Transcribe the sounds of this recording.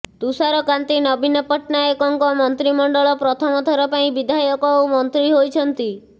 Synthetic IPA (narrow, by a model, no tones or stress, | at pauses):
t̪usaɾɔkant̪inɔbinɔpɔʈnaekɔŋkɔmɔnt̪ɾimɔɳɖɔɭɔpɾɔt̪ʰɔmɔt̪ʰɔɾɔpaĩbid̪ʱajɔkɔomɔnt̪ɾiɦojt͡ʃʰɔnt̪i